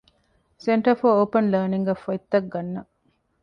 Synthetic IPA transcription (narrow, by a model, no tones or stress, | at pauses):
seɳʈɐfoːoːpɐnləːniŋɡɐfɐit̪ːɐk̚ɡɐnːɐ